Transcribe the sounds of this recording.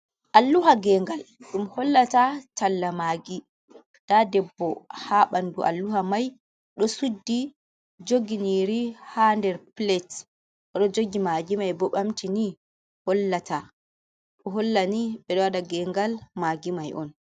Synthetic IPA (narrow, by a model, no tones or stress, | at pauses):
ʔalːuɦaɡɛŋɡalɗumhɔlːatatalːamaɡi | d̥adɛbːɔhaɓanduʔa̰lːuhamaj | ɗɔsudːi | d͡ʒoɡiniɾihandɛɾplet | ɔɗɔd͡ʒoɡimaɡimajbɔɓamtini | hɔlːata | ɗɔɦɔlːaniɓɛɗɔwadaɡɛŋɡalmaɡimajʔɔ̰n